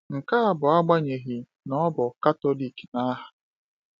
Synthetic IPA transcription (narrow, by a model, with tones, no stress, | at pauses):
ŋ̩˨ka˦a˨bʊ˨a˦ɡ͡ba˦ɲe˨ɦi˨ | nɔ˦bʊ˨ka˦to˦li˨kna˦ɦa˨